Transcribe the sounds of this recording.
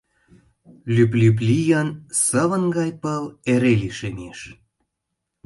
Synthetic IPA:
lʲyplyp̬lijənsəβə̆nɡɑjpəleɾeliʃemeʃ

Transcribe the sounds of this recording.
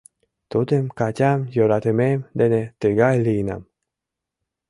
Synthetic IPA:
t̪ut̪emkacʲamjoɾat̪ememd̪enet̪eɡajliːna̰m

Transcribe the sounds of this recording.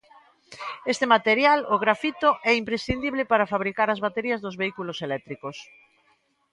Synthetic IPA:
est̪emat̪eɾjalʊɣɾafit̪oʔɛimpɾesθind̪iβlepaɾafaβɾikaɾɐzβat̪eɾiɐzðʊzβeikuloselɛt̪ɾikos

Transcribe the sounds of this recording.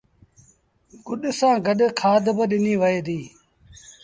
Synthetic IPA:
ɡʊɗsãːɡəɗkʰaːd̪bəɗɪniːʋəeːd̪iː

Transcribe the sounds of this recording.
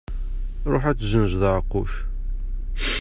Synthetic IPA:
ɾˤoħæt͡sːzənʒðəʕqːʊʃ

